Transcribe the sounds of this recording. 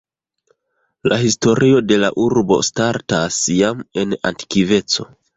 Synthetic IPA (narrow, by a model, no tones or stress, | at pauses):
lʔahisto̞ɾʔio̞de̞la̰ʔuɾbo̞̰staɾtasjame̞na̰nti̥kive̞t͡so̞̰